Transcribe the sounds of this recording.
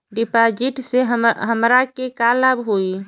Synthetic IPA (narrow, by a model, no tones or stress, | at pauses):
ɖipad͡ʒiʈseɦɦəmɾakekalabɦoi